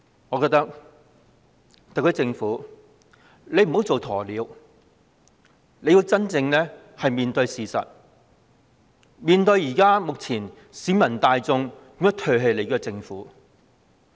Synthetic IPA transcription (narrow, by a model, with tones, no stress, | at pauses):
ŋɔː˨˧kɔː˧k̚t̪ɐ˥k̚ | t̪ɐ˨kʰːɵː˧˥t͡sɪ˧ŋfuː˨˥ | le˨˧jm̩˨˩ho˨˥wt͡so˨wt̪ʰɔː˨˩liː˨˧˥w | le˧ji˧wt͡sɐ˥nt͡sɪ˧ŋlɛː˥ | hɐ˨jmiː˨nt̪ɵ˧ɥjsiː˨sɐ̰˨t̚ | miː˨nt̪ɵ˧ɥjjiː˨˩kaː˥mʊ˨k̚t͡sʰiː˨˩n | siː˨˥mɐ˨˩nt̪aː˨˧jt͡sʊ˧ŋkʊ˨˥ŋjɐ˥t̪ʰɵ˧ɦe˧jle˨˧jkɔː˧t͡sɪ˧ŋfuː˨˥